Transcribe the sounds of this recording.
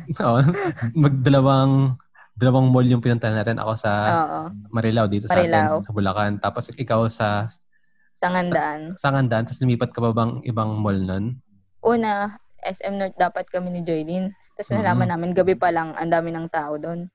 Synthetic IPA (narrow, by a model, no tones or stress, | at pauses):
ʔoʔmɐɡ̚d̪ɐlɐwaŋ | d̪ɐlɐwaŋmo̞ljʊŋpɪnʊnɐʔɐnːaːt̪ɛnʔɐ̰ko̞sɐoːʔomɐɾɛlawd̪iːt̪osɐaɾɛlɛanwsɐbʊlɐkant̪aːposʔɪkawsɐ | sɐŋɐnd̪aʔansɐŋɐnd̪ɐʔant̪ɐslʊmiːpɐt̪̚kɐpɐbɐŋʔɪ̰baŋmolnon | ʔuːnɐʔɛsʔɛmnot̪̚d̪aːpɐt̪̚kɐmɛnɪd͡ʒojlin | t̪ɐsnɐlaːmɐnːaːmɪnɡɐbɛpɐlɐŋʔɐ̰nd̪aːmɪnɐŋt̪aːʔod̪o̞n